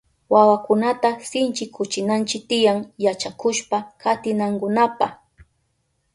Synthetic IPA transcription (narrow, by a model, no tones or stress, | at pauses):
wawakʊnat̪asɪnt͡ʃɪkʰʊt͡ʃɪnant͡ʃɪk̚t̪ɪjaŋjat͡ʃakʊʃpakʰat̪ɪnaŋkʊnapa